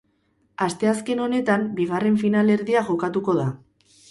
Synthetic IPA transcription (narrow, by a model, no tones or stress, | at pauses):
ast̪e̞as̬ke̞no̞ne̞t̪ambiɣare̞ɱfinale̞ɾðiaʝo̞kat̪uko̞ð̞a